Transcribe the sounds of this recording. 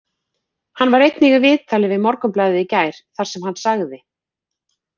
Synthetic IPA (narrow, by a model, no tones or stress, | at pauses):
hanːvaɾejt̪niɣavɪːt̪ʰaːlɪvɪðmɔɾkʏmplaːjðɪicaːjɾ̥θaɾ̥sɛmɦanːsaɣðɪ